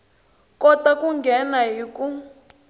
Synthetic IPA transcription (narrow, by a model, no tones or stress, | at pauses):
kɔtakuŋɡʱɛnaɦiku